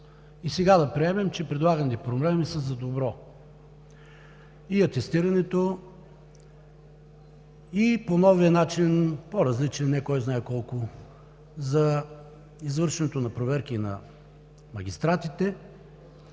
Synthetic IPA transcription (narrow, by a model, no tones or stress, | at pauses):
isɛɡad̪ɐpɾiɛmɛmt͡ʃɛpɾɛd̪lˠaɡənit̪ɛpɾoblɛmisɐzɐd̪obɾɔ | iɐt̪ɛst̪iɾɐnɛt̪o | iponɔviənat͡ʃinpoɾɐzlit͡ʃɛnnɛkɔjznaɛkɔlˠko | zɐ | izvɤɾʃɛnɛt̪onɐpɾovɛɾk̟inɐ̰ | mɐɡ̟ʲist̪ɾat̪it̪ɛ